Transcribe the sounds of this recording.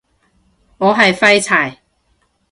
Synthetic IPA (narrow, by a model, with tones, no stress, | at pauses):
ŋɔː˨˧ɦɐ˨jfɐ˥jt͡sʰa˨˩j